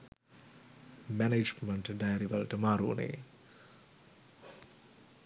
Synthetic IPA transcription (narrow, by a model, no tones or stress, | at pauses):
mæneːd͡ʒməɳʈɖajəɾiʋɐlʈəmaːɾṵːnḛː